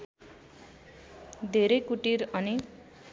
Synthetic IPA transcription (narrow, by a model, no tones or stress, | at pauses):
d̪ʱeɾʌjkuʈiɾʌni